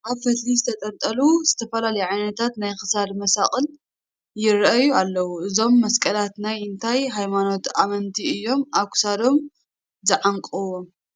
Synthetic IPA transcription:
ʔaβfɐt̪lizɨt̪ʰɐt̪ʼɐnt̪ʼɐluz̥ɨt̪ʰɐfɐlalɐjuʕajnɐt̪ʰat̪najxɨ̥sad̪mɐsaχʼɨl | jɪɾʔɐjualːɐwuʔɨzo̞mːɐskʼɐlat̪najɨnt̪ʰajɦajmano̞t̪amɐnt̪ʰiɨjːo̞mʔaβkʰʊ̥sad̪o̞m | zɨʕaŋkʼuwom

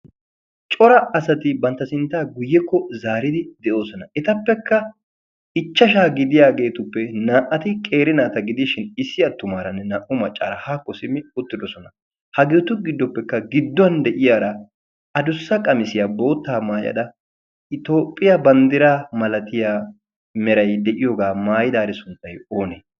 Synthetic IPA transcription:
t͡ʃʼɔɾɐːsɐt̪ɪbɐnt̪ːɐsɪnt̪ːaːɡʊjːɛkːɔzaːɾɪd̪ɪd̪ɛʔo̞ːsɔnɐʔɛt̪ɐpːɛkːɐ | ɪt͡ʃːɐʃ̬aːɡɪd̪ɪjaːɡe̞ːt̪ʊpːɛnaːʔɐt̪ɪkʼe̞ːɾɪnaːt̪ɐɡɪd̪ɪʃɪnɪsːɪɐt̪ːʊmaːɾɐnːɛnaːʔʊmɐt͡ʃʼːa̰ːɾɐhaːkːɔsɪmːɪʊt̪ːɪd̪ɔsɔnɐ | hɐɡeːt̪ʊɡɪd̪ːɔpːɛkːɐɡɪd̪ːɔɐnd̪ɛʔɪjaːɾɐ | ɐd̪ʊsːɐkʼɐmɪsɪjabo̞ːt̪ːaːmaːjɐ̰d̪ɐ | ɪt̪o̞ːpʼːɪjɐbɐnd̪ɪɾaːmɐlɐt̪ɪjaː | mɛɾɐjd̪ɛʔɪjoɡaːmaːjɪd̪aːɾɪsʊnt̪ːɐjo̞ːneː

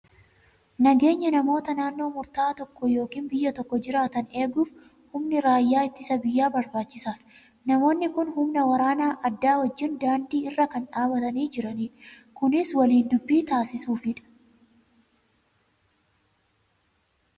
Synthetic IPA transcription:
nɐɡe̞ːɲːɐnɐmo̞ːt̪ɐnaːnːo̞ːmʊɾt̪aːt̪ɔkːɔjo̞ːkiːnbɪjːɐt̪ɔkːɔd͡ʒɪɾaːt̪ɐne̞ːɡuːf | hʊmnɪɾaːjːaːɪt̪ːɪsɐbɪjːaːbɐɾbaːt͡ʃːɪsaːn | nɐmo̞ːnːɪkʊnhʊmnɐwɐɾaːnaːʔɐd̪ːaːwɐd͡ʒːɪnd̪aːnd̪iːɪrːɐkɐnᶑaːbɐt̪ɐniːd͡ʒɪɾɐniːᶑɐ | kʊnɪswɐliːnd̪ʊbːiːt̪aːsɪsuːfɪᶑɐ̥

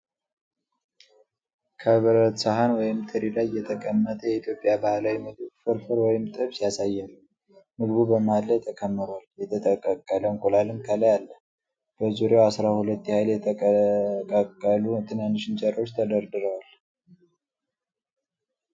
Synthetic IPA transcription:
kʰəβəɾət̪saɦanwɔjɪmt̪ʰɨɾilajːɛt̪ʰəkʼəmːət̪ʰəjɛit̪ʰjo̞pʼjabahlawimɨɡ̪ɨfɨɾfɨɾwɔjɪmt̪ʼɨβsijasajːɛn | mɨɡbubəmalːət̪ʰːəkʰəmːɨɾoaljɛt̪ʰət̪ʼəkʼːəkʼːələŋkʼulalɨmkʰələjalːə | b̥əzuɾjawasɾahulət̪ːjhajljɛt̪ʰəkʼkʼəkʼːəlut̪ʰɨnanːɨʃɪnt͡ʃʼəɾo̞t͡ʃːt̪ʰəd̪əɾd̪ɨɾəwal

